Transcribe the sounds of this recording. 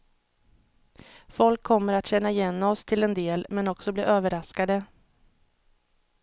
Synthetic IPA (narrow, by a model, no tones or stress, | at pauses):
fɔlkʰːɔmːəɾat̪ɕɛnːaɪjɛnːɔst̪ʰɪlɛnd̪eːlmɛnɔksɔbliːʔøːvəɾaskad̪ə